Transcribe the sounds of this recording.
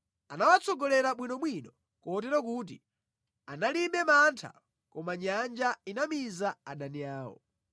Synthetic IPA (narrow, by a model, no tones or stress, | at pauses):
anawat͡sɔɡɔlɛɾaɓwinɔɓwinɔ | kɔtɛɾɔkut̬ḭ | analiɓɛmantʰa̰ | kɔmaɲand͡ʒainamizaaɗaniaːwɔ̰